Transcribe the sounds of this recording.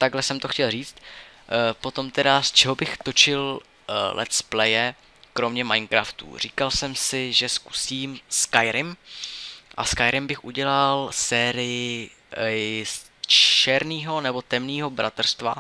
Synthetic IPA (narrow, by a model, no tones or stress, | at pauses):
t̪aɡlɛsɛmt̪oxcɛlriːt͡st̪ | po̞t̪o̞mt̪ɛdast͡ʃɛɦo̞bɪxt̪o̞t͡ʃɪl | lʔɛ̰t̪splɛjɛ | kɾo̞mɲɛmajnkɾaft̪ṵr̝iːkalsɛmsɪʒɛsku̥siːmskajɾɪm | ʔa̰skajɾɪmbɪxʔuɟɛlalsɛːɾɪjɪ | s | t͡ʃɛɾniːɦo̞nɛbo̞t̪ɛmniːɦo̞bɾʔat̪ɛrst̪va̰